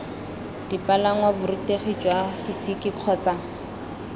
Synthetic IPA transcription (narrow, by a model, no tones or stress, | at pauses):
d̥ipʼalaŋwabʊriteχid͡ʒwaisikʼɪq͡χʰɔt͡saŋ